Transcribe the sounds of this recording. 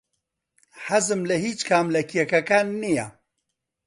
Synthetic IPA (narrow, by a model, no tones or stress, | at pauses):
ħazɨmlɐhiːt͡ʃkʰaːmlɐkʰiɛkɐkaːnːija